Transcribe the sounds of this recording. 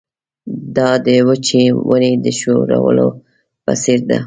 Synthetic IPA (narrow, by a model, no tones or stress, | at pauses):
d̪ɑd̪əwət͡ʃewəned̪əʃoɾawə̰lo | pasiɾd̪a